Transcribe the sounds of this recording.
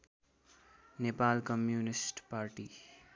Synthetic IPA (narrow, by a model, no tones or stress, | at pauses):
nepalkʌmjunisʈpaɾʈi